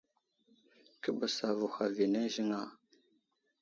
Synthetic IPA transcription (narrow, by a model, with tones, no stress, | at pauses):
kə˦ba˨sa˨vu˨xa˨vi˨na˦ʒi˦ŋa˦˨